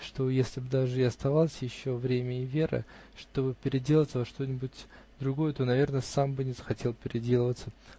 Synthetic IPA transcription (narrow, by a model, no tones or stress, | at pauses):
ʂt̪o̞jesʲlʲɪbd̪aʐɨɐst̪ɐvalˠsʲjɪɕːo̞vɾʲemʲəɪvʲe̞ɾə̰ | ʂt̪o̞bɨpʲɪɾʲɪdʲe̞lˠəvət̪səvɐʂt̪o̞nʲɪbʊtʲ | d̪ɾʊɡo̞jət̪o̞nɐvʲe̞rnəsambɨnʲɪzəxɐtʲe̞lˠpʲɪɾʲɪdʲe̞lˠəvət̪sə